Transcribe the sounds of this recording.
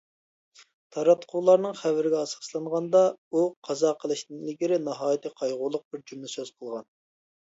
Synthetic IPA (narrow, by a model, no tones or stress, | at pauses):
t̪ʰɑɾɑt̪qʰʊwlˠɑɾnɨŋχæwɪɾɪɡʲɛɑsɑ̥slˠɑɴʁɑnd̪ɑuqʰɑzɑːqʰəlˠɨʃnɨŋilɡʲiɾɪnɨɦɑːjit̪ʰɨqʰɑjʁʊlˠʊq̚b̥ɪɾd͡ʒymlɪsøz̥qʰəlˠʁɑn